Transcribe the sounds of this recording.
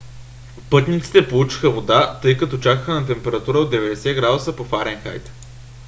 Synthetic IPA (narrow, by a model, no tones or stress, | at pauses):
pɤt̪nit̪si̥t̪ɛpolˠut͡ʃi̥xəvod̪at̪ɤjkɐt̪ot͡ʃakəxənɐt̪̬ɛmpɛɾɐt̪uɾəod̪ɛvɛd̪ɛsɛɡɾad̪ʊsəpofaɾɛnxa̰jt̪